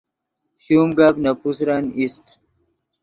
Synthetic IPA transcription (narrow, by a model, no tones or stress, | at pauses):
humɡabnapus̬ɾanist̪